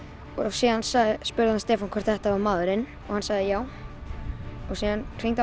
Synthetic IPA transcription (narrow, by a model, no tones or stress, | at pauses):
ɔsiːðansaɣðɪspʏɾðɪhanst̪ɛːfankʰɛɾ̥t̪θɛht̪aamaːðʏɾɪn | ɔ̰hansaɣðɪjaːw | ɔsiːðankʰɾ̥ijŋt̪a